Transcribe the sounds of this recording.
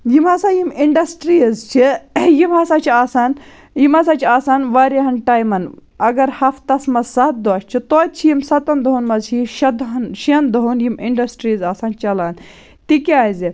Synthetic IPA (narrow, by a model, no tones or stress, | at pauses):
jimaːsajimiɳɖɐsʈɾizt͡ʃʰijimaːsaːt͡ʃʰiaːsaːn | jimas̬aːt͡ʃʰaːsaːnʋaːɾiɦɐnʈaːjmɐnɐɡɐɾhɐfʰt̪ɐsmɐsɐt̪̚d̪oʃt͡ʃʰit̪ot͡ʃʰijimsɐt̪ɐnd̪ɐɦunmɐzʰiʃɐd̪ɦɐnʃend̪oɦunjimiɳɖɐsʈɾizaːsaːnt͡ʃɐlaːn | t̪ikiaːizi